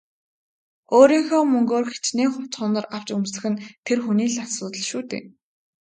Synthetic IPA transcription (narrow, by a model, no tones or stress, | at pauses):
oːɾiːŋxɔːmɵŋɡoːrxe̥t͡ɕneːŋχʊ̥t͡sχʊnə̆raw̥t͡ɕɵmsɘ̆xɘ̆nt̪ʰerxuniːɮasʊːt̪ə̆ɮʃuːt̪ḛː